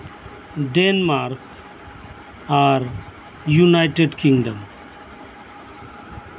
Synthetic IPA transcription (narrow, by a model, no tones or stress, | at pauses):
ɖenmaːɾk | aɾ | junaɪʈeɖkɪ̃ŋɡɖə̃m